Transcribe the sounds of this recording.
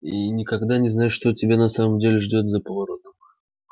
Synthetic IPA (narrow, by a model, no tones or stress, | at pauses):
inʲɪkɐɡd̪anʲɪznajɪʂt̪otʲɪbʲanɐsaməmdʲelʲɪʐdʲo̞t̪zəpəvɐɾo̞t̪əm